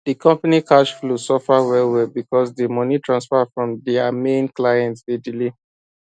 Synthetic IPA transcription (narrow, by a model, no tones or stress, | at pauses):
dikʰɔ̃mpanikaʃflusɔfawɛlwɛbikɔsdəmɔnitʰɹãnsfafɹɔ̃mdɛamẽnklajɛ̃ntsdediliv